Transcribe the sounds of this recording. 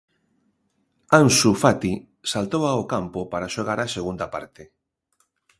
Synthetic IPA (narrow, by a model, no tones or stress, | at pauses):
ansufat̪i | salt̪owaokampopaɾaʃoɣ̞aɾaseɣund̪apaɾt̪e